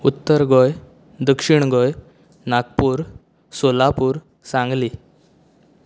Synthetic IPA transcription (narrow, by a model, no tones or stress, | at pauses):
ut̪ːəɾɡɔj | d̪əkʂiɳɡɔj | nakpuːɾ | solapuːɾ | sãŋɡliː